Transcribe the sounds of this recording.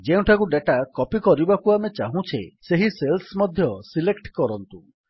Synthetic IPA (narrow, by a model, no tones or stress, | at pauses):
d͡ʒeũʈʰakuɖeʈakɔpikɔɾibakuamet͡ʃaɦũt͡ʃʰeseɦiselsmɔd̪ʱjɔsilekʈkɔɾɔnt̪u